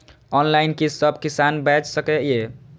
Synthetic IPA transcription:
ɔnlaɪnkisəbʱkisanbɛd͡ʒsəkeje

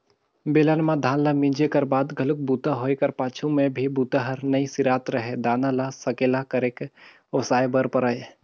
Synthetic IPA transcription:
beːlanmãd̪ʱaːnlamĩːd͡ʒekɐɾbaːd̪ɡʱɐlʊk̚buːt̪aɦoːekɐɾpaːt͡ʃʰũmẽbʱibuːt̪aɦɐɾnɐĩsɪɾaːt̪ɾɐɦed̪aːnalasɐkeːlakɐɾeːk | osaːjbəɾpəɾaːje

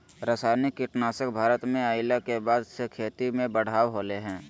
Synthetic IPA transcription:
ɾəsaːɾnikːɪʈnaːsəkbʱaːɾət̪mẽaːɪlakebaːd̪sekʰeːt̪imẽbəɽ̤aːʋɦoːleɦɛ̃ː

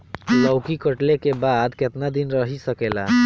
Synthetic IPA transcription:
ləʊkikəʈlekebad̪ket̪nad̪inɾəɦisəkela̰

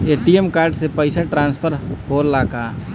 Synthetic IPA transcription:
eːʈiemkaːɾɖsepəɪsaʈɾãːnspʰəɾhoːɾlaːkaː

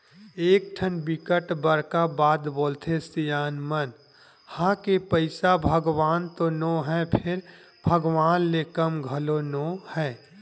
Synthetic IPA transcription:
eːk̚ʈʰənbɪkəʈbəɾkabaːd̪boːlt̪ʰest̪ijaːnmən | hãkepəɪsabʱəɡwaːnt̪onõɦɛpʰɪɾ | bʱəɡʋaːnlekəmɡʱəlonõhɛ̃ː

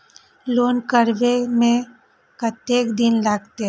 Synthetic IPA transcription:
loːnkəɾʋemẽ | kɐt̪eːkd̪ɪnlaɡt̪e

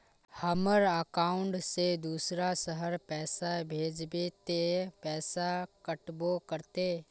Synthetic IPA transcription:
həməɾəkaːʊ̃ɳʈsed̪uːsɾasəɦəɾpɛːsabʱeːd͡ʒbet̪epɛːsakəʈbokəɾt̪eː

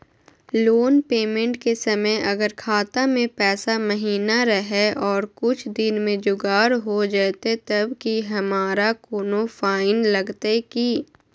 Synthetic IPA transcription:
loːnpeːmẽɳʈkesɐməjʔɐɡəɾkʰaːt̪amẽpɛːsamɐɦiːnaɾəɦɛɔːɾkʊt͡ʃʰd̪ɪnmẽd͡ʒʊɡaːɾɦod͡ʒaːt̪et̪ɐbkiɦɐmaːɾakoːnofaːɪnlɐɡt̪eki

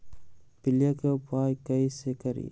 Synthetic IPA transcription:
pɪlijakeʊpaːjkɐisekəɾḭ

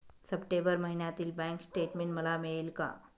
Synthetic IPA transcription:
səpʈebəɾməɦinjat̪iːlbɛ̃ŋksʈeʈmẽɳʈməlamiɭelka̰

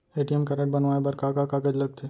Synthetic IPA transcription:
eːʈijɛmkɐɾəʈ̚bɐnʋaːebɐɾkaːkakakəd͡ʒlɐɡ̚t̪ʰeː

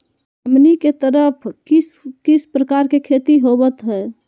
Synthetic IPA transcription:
əmniket̪əɾəpʰiskispɾəkaɾkekʰet̪iɦobət̪ɦɛː

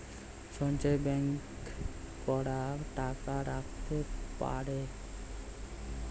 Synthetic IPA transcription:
ʃɔnt͡ɕaebɛŋkː | ɔɽaʈakaɾak̚ʰt̪epa̰ɾe

